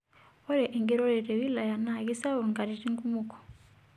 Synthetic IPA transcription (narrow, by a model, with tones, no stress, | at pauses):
wɔ˦ɾɛ˨ʔe˨ŋɡi˦ɾɔ˦ɾɛ˨ɾɛ˨wi˦la˨ja˨na˦˨ɣi˦sa˦wu˨ŋɡa˨ɾi˨ti˦ŋɡu˦mu˨kɔ̥˨